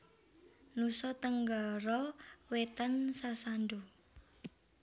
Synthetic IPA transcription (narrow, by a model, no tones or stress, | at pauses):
nusɔt̪əŋɡaɾɔwet̪ansasanɖu